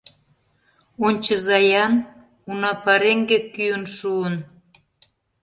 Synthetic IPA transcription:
onʲt͡ɕəzɑjɑn | unɑpɑɾeŋɡekyənʃuən

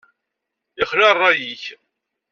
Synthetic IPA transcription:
ɪχlɑrˤːɑjiç

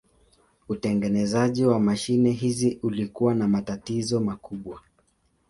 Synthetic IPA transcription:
utɛŋɡɛnɛzaʄiwamaʃinɛɦiziʔulikuwanamatatizɔmakuɓwa

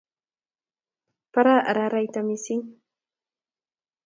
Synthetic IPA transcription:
paɾaʔaɾaɾajt̪amɪsɪŋ

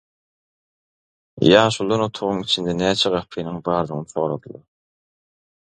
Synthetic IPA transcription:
jɑːʃund̪ɑnot̪ʰuʁuŋit͡ʃʰind̪enæːt͡ʃʰɛʁɑpʰːiːnɯŋbɑːɾd̪ɯʁnɯθo̞ːɾɑd̪ulˠɑ̰ɾ

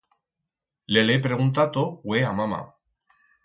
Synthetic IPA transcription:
lelepɾeɣunt̪at̪oweamama̰

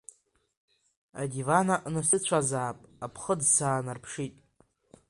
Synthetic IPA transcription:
a̰dʲivanaʔnasɨt͡ɕʷʰazaːpʼapʰχədsʰaːnarpʰʂitʼ

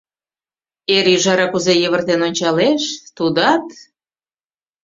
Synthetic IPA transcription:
eɾyʒɑɾɑkuzejeβə̆rt̪enonʲt͡ɕɑleʃt̪ud̪ɑt̪

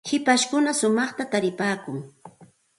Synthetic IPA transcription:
hɪpaʃkʊnasʊmɑχt̪at̪aɾɪpaːkʊŋ

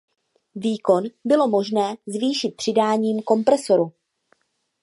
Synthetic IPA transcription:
viːko̞nbɪlo̞mo̞ʒnɛːzviːʃɪt̪̚pr̝̥ɪdaːɲiːmko̞mpɾɛso̞ɾu

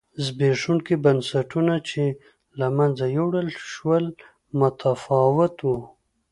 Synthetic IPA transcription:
zbeʂunkibansaʈunat͡ʃe | lamand͡zajawɖalʃwəl | mʊt̪ʰafɑwɪt̪wu

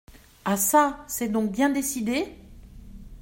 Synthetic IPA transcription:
asasɛd̪ɔ̃k̚bjɛ̃d̪esid̪e

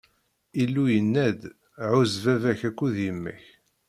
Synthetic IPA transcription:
ilːujənːæd̪ | ʕʊzvævæçækʷːuðjəmːə̰ç

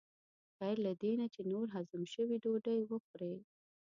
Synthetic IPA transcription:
xaɾlad̪enat͡ʃenoɾɦazamʃəwiɖoɖəjwəxɾe

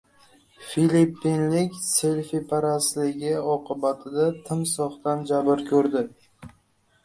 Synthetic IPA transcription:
filipːinlɪkʲse̞lʲfipʰaɾaslɪɡʲɪɒqʰɨbat̪ʰɪd̪at̪ʰɪmsɒχt̪and͡ʒabɪɾkʲʰɵɾd̪ɪ

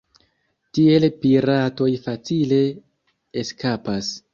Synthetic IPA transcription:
tie̞lpiɾato̞jfat͡sile̞ː | skapas

